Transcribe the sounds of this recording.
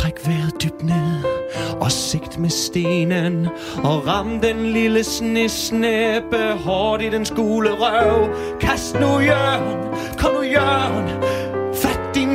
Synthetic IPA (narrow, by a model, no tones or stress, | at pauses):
tʰʁɛɡ̥ʋeðˠd̪̥yb̥̚neðˠʔɒsɪɡ̥d̪̥mesd̥eːnən | ɒʁɑmd̪əenliləsnesneb̥əɦɔːɾidensɡ̥uːləʁœʊ | kʰæsdnujœːn | kʰɔməjœːnfædi